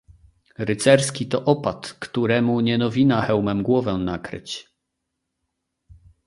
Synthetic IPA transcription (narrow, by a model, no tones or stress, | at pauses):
ɾɘt̪sɛɾskʲit̪ɔʔɔpat̪kt̪uɾɛmuɲɛnɔvʲinaxɛwmɛmɡwɔvɛw̃nakɾɘ̰t͡ɕ